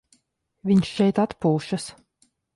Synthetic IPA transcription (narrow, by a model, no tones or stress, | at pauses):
vʲiɲʃt͡ʃɛjt̪at̪puːʃas